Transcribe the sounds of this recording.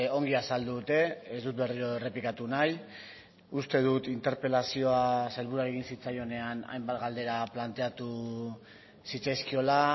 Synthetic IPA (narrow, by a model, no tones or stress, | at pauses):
o̞ŋɡiasald̪uðut̪e̞ezd̪ut̪̚be̞riɾo̞ere̞pikat̪unaj | ust̪e̞ð̞ut̪int̪e̞ɾpe̞lasio̞aselβuɾaɾeɣinsit͡sajo̞ne̞ana̰jmbat̪ɡald̪e̞ɾaplant̪e̞at̪u | sit͡sajskio̞la